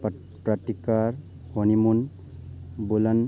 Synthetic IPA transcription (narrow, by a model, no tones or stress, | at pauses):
pɾatikaɹ | hɔnimun | bulan